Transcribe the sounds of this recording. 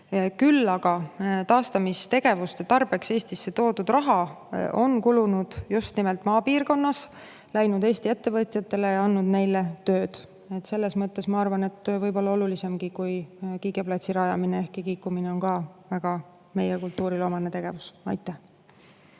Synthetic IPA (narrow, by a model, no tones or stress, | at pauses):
kylːɑɡ̥ɑt̪ɑːst̪ɑmist̪e̞ɡ̥e̞vust̪et̪ɑrb̥e̞kse̞ːsʲt̪isːe̞t̪o̞ːd̪ud̪̥rɑɦɑo̞nkulunud̪̥just̪nimelt̪ˑmɑːpiːrko̞nːɑs | læjnud̪̥eːst̪ie̞t̪ːe̞vɤt̪ʲjɑt̪ːˑe̞lejɑɑnːud̪ne̞jle̞t̪ø̞ːd̪̥ | e̞t̪ːse̞lːe̞smɤt̪ˑːe̞smɑɑrvɑne̞t̪ːˑvɤjbo̞lːɑo̞lulise̞mɡ̥ikujkiːɡeplɑt̪siɾɑjɑminee̞hkikiːkːumine̞o̞nkɑvæɡ̥ɑ | me̞jekult̪ːˑuːɾilo̞ːmɑnet̪e̞ɡ̥e̞vusɑ̰jt̪ːˑæh